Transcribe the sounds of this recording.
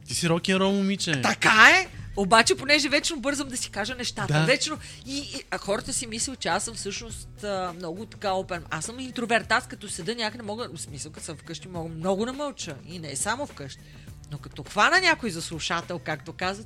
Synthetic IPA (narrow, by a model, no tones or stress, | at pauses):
t̪isiɾɔkʲinɾɔmʊmit͡ʃɛt̪ɐkaɛobat͡ʃɛponɛʒɛvɛt͡ʃnobɤɾzəmd̪ɐsi̥kaʒənɛʃt̪at̪əvɛt͡ʃno | ixɔɾət̪əsimislʲilˠt͡ʃɛasəmfsɤʃnost̪ːmnɔɡʊt̪ɐ̥kaopɛnasəmint̪ɾovɛɾt̪at̪skɐt̪ɔsɐd̪ənʲakəd̪ɛmɔɡəsmisəlˠkɐsəmfkɤʃt̪imɔɡəmnɔɡʊd̪ɐmɐlˠt͡ʃəinɛsamofkɤʃt̪i | nokɐt̪ɔxvanɐnʲakojzɐslˠuʃat̪ɛlˠkakt̪okazvət̪